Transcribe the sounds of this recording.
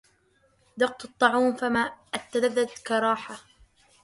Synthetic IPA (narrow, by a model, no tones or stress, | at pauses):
d̪ɑq̚t̪ɨt̪ˤːɑʕuːmfamaːʔat̪ːaðaðːad̪kɑɾˤɑːħa